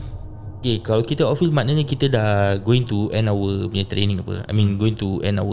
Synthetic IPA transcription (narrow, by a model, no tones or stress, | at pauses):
okekalakit̪əɔfismãʔnəɲə̃kit̪ədaɡoĩŋt̪uʔɛ̃nawəbəãt̪ɾenĩŋapə̰a̰jmĩnɡoĩŋt̪uʔɛ̰̃na̰wə